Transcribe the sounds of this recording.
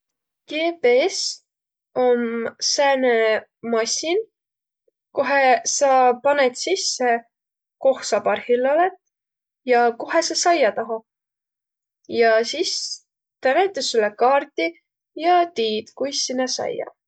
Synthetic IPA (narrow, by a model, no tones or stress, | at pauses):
keːpees | omsæːnemɑsʲin | kuɦesɑpɑnet̪sisːe | ko̞hsɑpɑrhilːolet̪ˑ | jɑkuɦesɑsɑjɑt̪ɑɦɑ | jɑsis | t̪æɾet̪ːesulekɑːrt̪i | jɑt̪iːt̪kujsːinesɑ̰jɑ̰